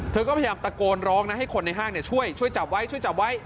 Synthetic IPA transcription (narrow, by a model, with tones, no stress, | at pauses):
t̪ʰɤː˧kɔː˥˩pʰa˧jjaː˧mt̪a˧koː˧nɾɔː˦˥ŋna˧˦˥ha˥˩jkʰo˧nːa˧jɦaː˥˩ŋni˥˩t͡ɕʰu˥˩əjt͡ɕʰu˥˩əjt͡ɕa˨˩p̚wa˦˥jt͡ɕʰu˥˩jt͡ɕa˨˩p̚wa˦˥j